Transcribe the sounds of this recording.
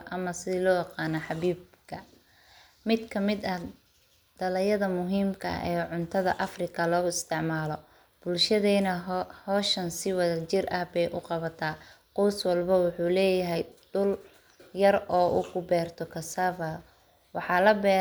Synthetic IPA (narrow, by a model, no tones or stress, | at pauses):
ʔɐmɐsɪðɪlɔːjɑqɑːnɐħɑβiːbkʰɐ | mɪd̪kʰɐmɪd̪ɐh | d̪̥ɐlɐjɐðɐmʊɦiːmkʰɐ̰ʔɛːʕʊnt̪ʰɐðɐ̰ʔɐfrɪkʰɐlɔːɪst̪ʰɪʕmaːlɔ | b̥ʊlʃɐðɛːnɐhɔːʃɐnsɪwɐðɐt͡ʃɪrʔɐhbɛjʔʊ̰qɑβɐt̪ʰaːqɔwswɑlbɐwʊħuːlɛːjɐɦɛjd̪̥ʊl | jɐrɔːʔṵkʰʊbɛːrt̪ʰɔkʰɐsaːβɐ | wɑħɑːlɐbɛː